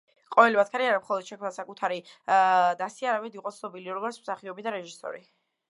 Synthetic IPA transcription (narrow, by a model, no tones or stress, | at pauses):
qʼɔvɛlimat̪kʰaɾiaɾamχɔlˠɔd̪̥ʃɛkʰmnasakʼut̪ʰaɾi | d̪asiaɾamɛd̪iqʼɔt̪sʰnɔbiliɾɔɡɔɾt̪smsaχiɔbid̪aɾɛʒisɔ̰ɾi